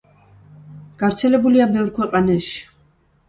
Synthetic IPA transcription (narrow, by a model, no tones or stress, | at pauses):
ɡ̥aɾt̪sʰɛlɛbuliabɛvɾkʰwɛqʼanaʃii̥